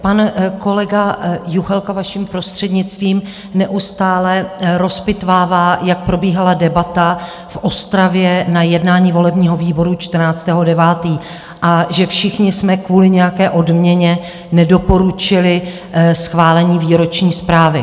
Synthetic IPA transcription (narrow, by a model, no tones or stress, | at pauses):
panko̞lɛɡajuxɛlkavaʃimpɾo̞st̪r̝̥ɛdɲɪt͡st̪viːm | nɛʔust̪aːlɛɾo̞spɪt̪vaːvaːjak̚pɾo̞biːɦaladɛbat̪a | fʔo̞st̪ɾavjɛnajɛdnaːɲiːvo̞lɛbɲiːɦo̞viːbo̞ɾut͡ʃt̪r̩naːt͡st̪ɛːɦo̞dɛvaːt̪iː | ʔaʒɛfʃɪxɲɪsmɛkvuːlɪɲɛjakɛːʔo̞dmɲɛɲɛ | nɛdo̞po̞ɾut͡ʃɪlɪ | sxvaːlɛɲiːviːɾo̞t͡ʃɲiːspɾaːvɪ